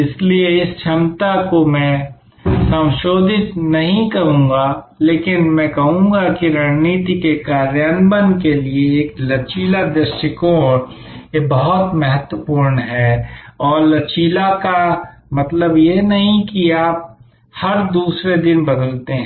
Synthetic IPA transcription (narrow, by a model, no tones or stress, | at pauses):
ɪslieɪsʃʰɐmt̪akomɛ̃ | sɐ̃mʃoːd̪ʱɪt̪nɐɦĩkɐɾũːŋ̆ɡa | leːkɪnmɛ̃kɐɦũːɡakiɾəɦniːt̪ikekaːɾjənbənkelieːklɐt͡ʃiːlad̪ɾɪsʈɪkoːɾ | jebɐɦʊt̪mɐɦət̪wəpuːɾnɦɛɔːɾlɐt͡ʃiːlakamɐt̪ləbjenɐɦĩkiaːp̚ | hɐɾd̪uːsɾed̪ɪnbɐd̪əlt̪eɦɛ̃